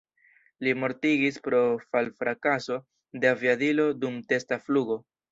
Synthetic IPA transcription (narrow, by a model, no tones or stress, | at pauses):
limo̞ɾtiɡispɾo̞falfɾakaso̞ | de̞aviadilo̞dumte̞stafluɡo̞